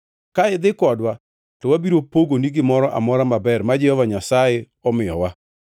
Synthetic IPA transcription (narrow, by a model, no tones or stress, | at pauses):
kaɪd̪ɪkɔdwa | tɔwabiɾopoɡoniɡɪmɔɾɔʔa̰mɔɾamabɛrmad͡ʒɛhɔvaɲasaje | ɔmɪjɔwa